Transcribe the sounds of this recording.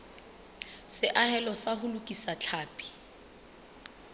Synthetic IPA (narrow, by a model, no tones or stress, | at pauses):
sɪʔahɛlɔsahʊlʊkʼisat͡ɬʰaːpʼi̥